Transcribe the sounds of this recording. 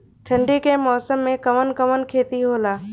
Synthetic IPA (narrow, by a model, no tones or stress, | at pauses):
ʈʰə̃ɳɖikemɔːsəmːẽkɐmənkəmənkʰeːt̪iɦoːlaː